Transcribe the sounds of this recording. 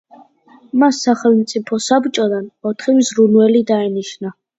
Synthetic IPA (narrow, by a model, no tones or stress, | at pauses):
masːaχɛlˠmt̪sʼipʰɔsabt͡ʃʼɔd̪anɔt̪ʰχimzɾunvɛlid̪aɛniʃna